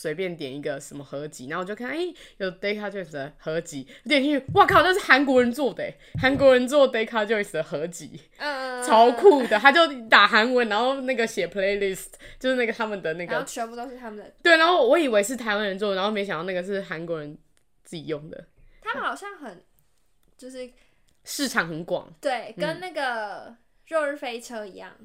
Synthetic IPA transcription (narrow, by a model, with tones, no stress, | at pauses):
swe˧˥ɪpjɛ˥˩nt̪jɛ˨˩ni˧˥ɡə˨ʂə˨˦nmə˦xɤ˧˦t͡ɕi˧˥na˥˨wɔ˨˩t͡ɕjo˥˧ʊkʰa˥˧ne˥˩ɪjo˨˩ʊt̪e˥ɪkʰa˥˧t͡ɕjo˥˧i˥˩sɨ˨˩d̪ə˩xɤ˧˥t͡ɕi˨˦wɔ˨˥t̪jɛ˨˩nt͡ɕʰy˥˩˥wa˥˩kʰa˥˩˨t͡ɕo˥˧ʊʂɻ̩˥˩xa˧˦nkwɔ˧˥ɻə˧˦nt͡swɔ˥˩d̪ə˩e˨ha˧˦˥nkwɔ˧˥ɻə˧˦nt͡swɔ˥˩t̪e˥ɪkʰa˥˧t͡ɕjo˥˧ʊi˧˩sɨ˨d̪ə˨˦xɤ˧˦t͡ɕḭ˧˥ | t͡sʰɑ˧˦˥ʊkʰu˥˩d̪ə˨t̪ʰa˥t͡ɕjo˥˩ʊt̪a˨˩xa˧˥nwə˧˦nna˧˦nxo˥˧ʊna˥˩ɡə˨˩ɕjɛ˨˩pʰle˧˥ɪli˥˩st̪ʰt͡ɕjo˥˧ʊʂɻ̩˥˧a˥˩ɡə˩t̪ʰa˥mə˨nd̪ə˩na˥˩ɡə˩t͡ɕʰɛ˧˥pu˥˧t̪o˥ʊʂɻ̩˥˩t̪ʰa˥mə˨d̪ə˩t̪we˥˩n˧˦xo˥˩wɔ˧˥i˨˩we˧˥ɪʂ̬ɻ̩˥˩t̪ʰa˧˥ɪwa˥˧nɻə˧˦nt͡swɔ˥˩˨a˧˥xo˥˧˩m˧˥ɕɑ˨ŋd̪ɑ˥˧na˥˩ɡə˩ʂɻ̩˥˩xa˧˦nkwɔ˧˦ɻə˧˦n | t͡sɹ̩˥˩t͡ɕi˨˩jo˥˩ŋd̪ə̰˩ | t̪ʰa˥mə˨nxɑ˨˩ʊɕjɑ˥˩ŋxə˨˩n | t͡ɕjo˥˧ʊʂɻ̩˥˩ | ʂɻ̩˥˩ʈ͡ʂʰɑ˨˩ŋxə˨˦nkwɑ̰˨˩˦ŋt̪we˥˩ɪkə˦nna˥˩ɡə˩ | ɻo˥˧˥fe˥ɪʈ͡ʂʰə˥ŋi˧˥jɑ̰˥˩ŋ